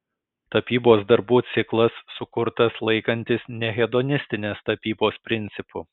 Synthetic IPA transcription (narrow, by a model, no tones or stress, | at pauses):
t̪ɐpʲiːboːsd̪ɐɾbuːt̪sʲɪklˠɐsːʊkʊɾt̪ɐslˠɐɪkɐnʲt̪ʲɪsnʲɛɣʲɛd̪ɔnʲɪsʲt̪ʲɪnʲeːst̪ɐpʲiːboːspʲɾʲɪnʲt̪sʲɪpʊ